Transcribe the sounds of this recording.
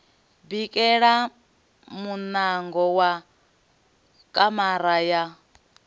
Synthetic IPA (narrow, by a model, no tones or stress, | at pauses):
bikʼɛɺa | munaŋɡɔwa | kʼamaɾaja